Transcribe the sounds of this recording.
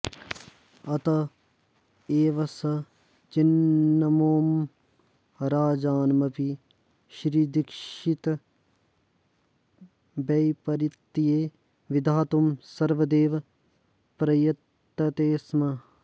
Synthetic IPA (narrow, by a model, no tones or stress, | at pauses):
ɐt̪ɐ | eːʋɐsɐ | t͡ʃinːɐmoːm | ɾaːd͡ʒaːnmɐpi | ʃɾiːd̪ikʃit̪ | bɐjpɐɾit̪ːijeː | ʋid̪ʱaːt̪umsɐɾʋɐd̪eːʋ | pɾɐjɐt̪ːɐt̪eːsmɐ